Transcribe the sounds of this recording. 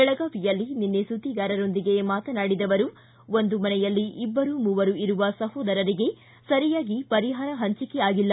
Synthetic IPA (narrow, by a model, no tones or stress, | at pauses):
ɛɭɐɡaːʋijɐlːininːesut̪iɡaːɾɐɾo̞nd̪iɡe̞maːt̪ɐnaːɽid̪ɐʋɐɾu | o̞nd̪umɐnɛjɐlːiʔibːɐɾumuːʋɐɾuiɾuʋɐsɐhɔːd̪ɐɾɐɾiɡe̞ | sɐɾijaːɡipɐɾiɦaːɾɐɦɐɲt͡ʃikeaːɡilːɐ